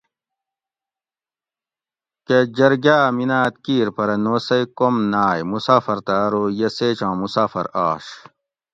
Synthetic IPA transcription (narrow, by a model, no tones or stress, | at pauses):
ked͡ʑɐɾɡaːminaːt̪̚kiːɾpɐɾɐnoːsɐjkomnaːjmusaːfɐɾt̪aːɾoːjeseːt͡ɕãːmusaːfɐ̰ɾaːɕ